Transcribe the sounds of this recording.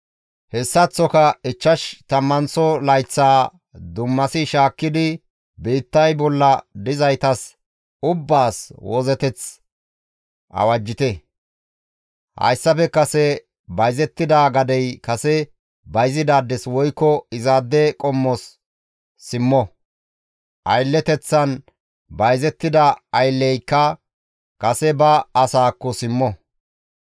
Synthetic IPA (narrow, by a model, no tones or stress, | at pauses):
hɛsːɐt͡sːɔkɐɪt͡ʃːɐʃt̪ɐmːɐnsɔlɐjt͡sːaː | d̪ʊmːɐsɪʃaːkːɪd̪ɪ | biːt̪ːɐjbɔlːɐd̪ɪzɐjt̪ɐs | ʊbːaːswɔzɛt̪ɛt͡s | ʔɐ̰wɐd͡ʒːɪt̪ɛ | hɐ̰jsːɐfɛkɐsɛ | bɐjzɛt̪ːɪd̪aɡɐd̪ɛjkɐsɛ | bɐjzɪd̪aːd̪ːɛswɔjkːɔɪzaːd̪ːɛkʼɔmːɔsː | ɪmːɔ | ʔɐjlːɛt̪ɛt͡sːɐn | bɐjzɛt̪ːɪd̪ɐɐjlːɛjkːɐ | kɐsɛbɐːsaːkːɔsɪmːɔ